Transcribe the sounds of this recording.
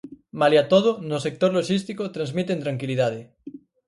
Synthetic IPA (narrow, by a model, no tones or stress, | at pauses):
maliat̪oð̞onosek̚t̪oɾloʃist̪ikot̪ɾanzmit̪ẽnt̪ɾaŋkiliðaðe